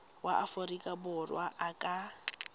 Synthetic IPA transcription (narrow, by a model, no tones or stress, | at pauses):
waʔaforikʼabʊrwaʔakʼa